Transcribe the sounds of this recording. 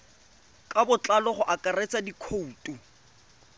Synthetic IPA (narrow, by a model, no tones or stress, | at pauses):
kʼabʊt͡ɬʼalɔχʊʔakʼaret͡sʼadikʰouːtʼu